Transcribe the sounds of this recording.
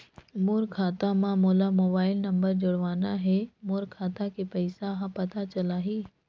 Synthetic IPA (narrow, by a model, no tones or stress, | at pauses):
moːɾkʰaːt̪amãmoːlamoːbaːɪlnɐ̃mbəɾd͡ʒʊɽʋaːnaɦɛmoːɾkʰaːt̪akepɐɪsaɦãpɐt̪at͡ʃɐlaːɦiː